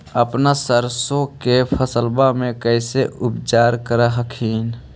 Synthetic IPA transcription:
əpnasəɾsõkepʰəsəlbamẽkəɪseʊpt͡ʃaːɾkəɾəɦəkʰiːn

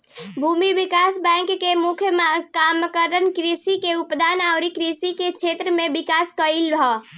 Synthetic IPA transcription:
bʱuːmiʋikaːsbɛ̃ŋkːemʊkʰjəmkamkəɾənkɾisikeʊpd̪aːnaʊɾikɾisikekʃʰeːt̪ɾəmẽbɪkaːskəilbʱɔː

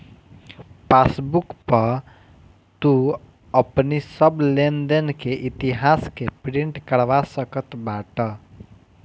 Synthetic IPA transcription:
pasbukpəɾ | t̪u | əpnisəblend̪ənkeʔɪt̪iɦaskepɾĩɳʈkəɽʋasəkət̪baʈə

